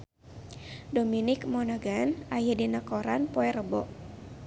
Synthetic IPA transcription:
dominɪkmɔnaɡanajadinakɔɾanpɔɛɾəbɔ̰ʔ

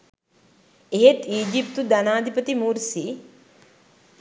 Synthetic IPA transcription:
eɦet̪iːd͡ʒipt̪ud̪ɐnaːd̪ʱipət̪imuːɾsi

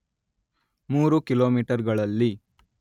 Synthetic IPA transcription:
muːɾukiloːmiːʈɐɾɡɐɭɐlːi

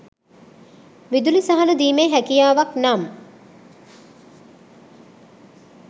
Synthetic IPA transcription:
ʋid̪ulisaɦanəd̪iːmeːɦækijaːʋaknam

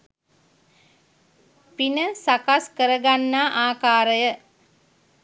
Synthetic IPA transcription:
pinəsakaskəɾəɡanːaːʔaːkaːɾəjə

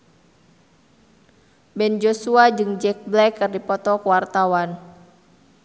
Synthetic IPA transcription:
bɛnd͡ʒosuad͡ʒɨŋd͡ʒɛk̚blɛkːɨrdipɔt̪ɔkwart̪awan

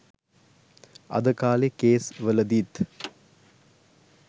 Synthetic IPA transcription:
ɐ̰d̪əkaːlekeːsʋələd̪it̪

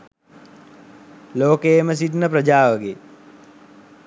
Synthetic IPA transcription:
loːkeːməs̬iʈnəpɾɐd͡ʒaːʋəɡe

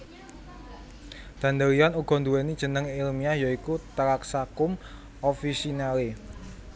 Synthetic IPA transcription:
d̪̥ä̤nd̪əɾijɔnuɡ̥ɔ̤nd̪uwenid̥ʒ̥ə̤nəŋilmiajaikut̪əɾaksakʊm | ofisinale

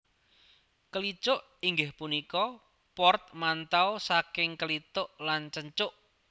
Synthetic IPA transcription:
kəlit͡ʃʊʔ | iŋɡɪhpunikɔ | pɔrt̪̚mant̪awsakɪŋkəlit̪ʊʔlant͡ʃəɲt͡ʃʊʔ

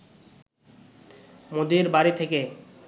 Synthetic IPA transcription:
mod̪iɾbaɾit̪ʰeke

